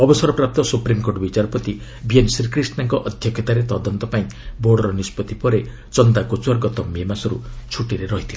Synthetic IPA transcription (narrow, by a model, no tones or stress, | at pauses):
ɔbɔsɔɾɔpɾap̚t̪ɔsupɾimkoɾʈɔbit͡ʃaɾɔpɔt̪i | biensɾikɾisʈnaŋkɔʔɔd̪ʱjɔkʰjɔt̪aɾet̪ɔd̪ɔnt̪ɔpaĩboɽɔɾɔnispɔt̪ipɔɾe | t͡ʃɔnd̪akot͡ʃuwɔɾɡɔt̪ɔmemasɔɾṵt͡ʃʰuʈiɾeɾɔɦit̪ʰila